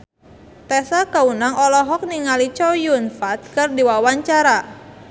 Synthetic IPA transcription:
t̪ɛsakaunaŋɔlɔɦɔk̚niŋalit͡ʃɔjunfat̪̚kɨrdiwawaɲt͡ʃaɾa

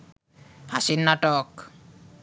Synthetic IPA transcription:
hasinːaʈɔk

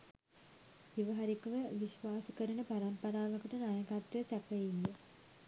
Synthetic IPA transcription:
iʋɐɦaɾikəʋəʋiʃʋaːsukəɾənəpaɾampɐɾaːməkəʈənajɐɡat̪jəsæpəind̪ə

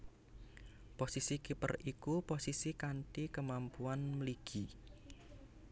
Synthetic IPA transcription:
posisikipə̰rikuposisikanʈikəmampuanməliɡ̥i

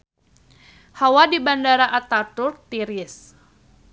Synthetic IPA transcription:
hawadibandaɾaʔat̪at̪ʊrt̪iɾɪs

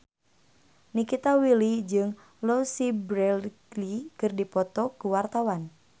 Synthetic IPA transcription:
nikit̪awilid͡ʒɨŋ | losibɾɛllikɨrdipɔt̪ɔkuwart̪awan

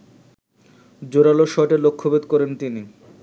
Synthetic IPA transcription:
d͡ʑoɾaloʃɔʈelokʰːobed̪kɔɾent̪ini

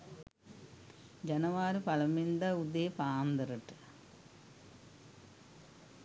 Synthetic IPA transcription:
d͡ʑenɐʋaːɾupɐlɐmind̪ɐud̪eːpaːmd̪ɐɾɐʈːɨ̥

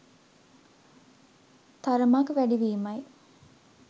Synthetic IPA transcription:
t̪aɾəmakʋæɖiʋiːmɐj

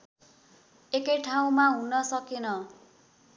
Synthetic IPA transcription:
ekʌjʈʰaw̃maɦunʌsʌkenʌ

